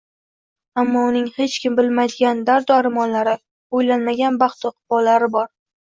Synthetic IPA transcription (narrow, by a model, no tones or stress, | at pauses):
amːɒʊnɪŋhe̞t͡ʃkʲɪmbɪlmajd̪ɪɡʲand̪aɾd̪ʊaɾmɒnlaɾɪ | ojlanmaɡʲanbɑχt̪ɒqʰbɒlːaɾɪbɒɾ